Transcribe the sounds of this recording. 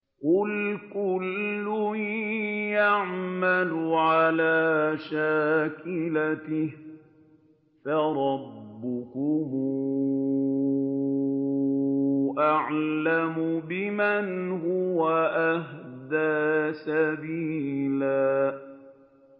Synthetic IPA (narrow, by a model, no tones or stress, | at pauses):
qʊlkʊlːʊ | jaʕmalʊʕalaːʃaːkɪlatɪ | faɾˤɑbːʊkʊm | ʔaʕlamʊbɪmanhʊwaʔahd̪aːsabiːlaː